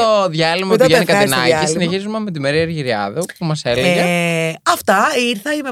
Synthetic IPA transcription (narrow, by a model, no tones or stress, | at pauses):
oðʝɐlimɐt̪iʝenikɐinɐ̰cisineçizumɐmet̪̬imeɾiɐɾʝiɾiɐ̰ðɐpumɐseleɣɐɐft̪ɐiɾθɐime